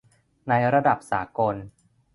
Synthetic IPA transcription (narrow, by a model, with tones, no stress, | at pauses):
na˧jɾa˧da˨˩p̚saː˩˦ko˧n